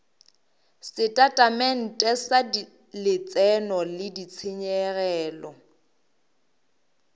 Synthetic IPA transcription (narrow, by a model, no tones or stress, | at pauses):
sɪtʼatʼamɛn̩tʼɛsa | lɪt͡sʼɛnɔlɪdit͡sʰɪɲɛrɛːlɔ